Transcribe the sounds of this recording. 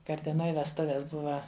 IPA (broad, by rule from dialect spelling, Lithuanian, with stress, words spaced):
kɐrʲtʲɛˈnoːj ʋʲɛsˈtʊʋʲɛs ˈbʊʋɐ